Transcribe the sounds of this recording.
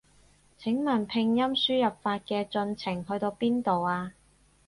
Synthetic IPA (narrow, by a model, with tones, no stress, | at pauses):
t͡sʰɪ˨˥ŋmɐ˨˩npʰɪ˧ŋjɐ˥msyː˥jɐ˨p̚faː˧t̚kɛː˧t͡sɵ˧nt͡sʰɪ˨˩ŋhɵ˧ɥt̪o˧wpiː˥nt̪o˨waː˧